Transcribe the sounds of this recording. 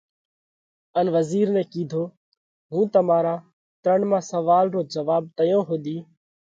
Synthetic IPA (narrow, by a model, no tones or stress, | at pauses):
ənʋəziːɾnɛ̃ːkiːd̪ʱoː | ɦũːt̪əmaːɾaː | t̪ɾəɳmãːsəʋaːlɾoːd͡ʒəʋaːb̚t̪əjõːɦoːd̪iː